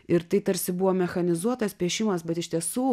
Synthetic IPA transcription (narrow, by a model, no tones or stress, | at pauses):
ɪɾt̪ɐɪt̪ɐɾʲsʲɪbʊʋoːmʲɛxɐnʲɪzuɔt̪ɐspʲiɛʃʲɪmɐsbʲɛt̪ɪʃt̪ʲiɛsuː